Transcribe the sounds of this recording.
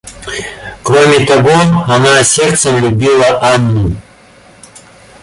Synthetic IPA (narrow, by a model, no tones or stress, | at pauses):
kɾomʲit̪ɐɡohɐmaːsʲeɾt̪sɐmlʲubʲilˠɐʔanːu